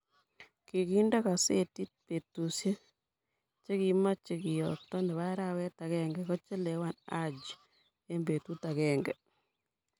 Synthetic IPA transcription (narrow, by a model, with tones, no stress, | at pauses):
ki˨ki˦nda˦ka˨se˦ti˦t̚pe˨tu˨sje˦ | t͡ʃe˦ki˨ma˦t͡ʃe˨kɪ˨jɔ˨tɔ˦ndɛ˨βa˦ɾa˦wɛ˦ta˨kɛ˦ŋɡɛ˨kɔ˦t͡ʃɛ˦lɛ˨wa˦nad͡ʒ | e˦mbe˨tu˦ta˨kɛ˨ŋɡɛ˨